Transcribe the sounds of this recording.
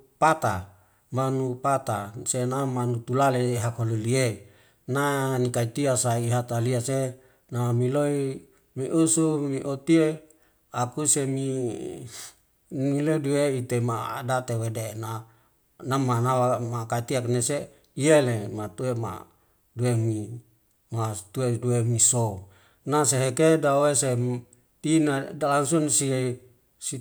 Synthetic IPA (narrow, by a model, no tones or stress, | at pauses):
pat̪a | manupat̪asenamanut̪ulaleɦakoluliei | nanikait̪iasaiɦat̪aliase | nawamiloi | miʔusumiʔot̪ie | akusemi | miloidueit̪emadat̪ewedena | namanawamakat̪iaknese | ielemat̪uema̰ | duemi | mat̪ueduemiso | naseɦekedawese | t̪inadalansunsie | si